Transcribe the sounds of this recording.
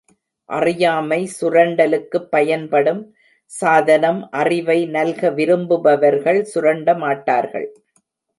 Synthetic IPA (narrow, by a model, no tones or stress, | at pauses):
ʔɐrɪjaːmɐɪsʊɾɐɳɖɐlɯkːɯpːɐjɐnpɐɽɯm | saːðɐnɐmʔɐrɪʋɐɪnɐlɣɐʋɪɾɯmbɯʋɐʋɐɾɣɐɭsʊɾɐɳɖɐmaːʈːa̰ːɾɣɐ̰ɭ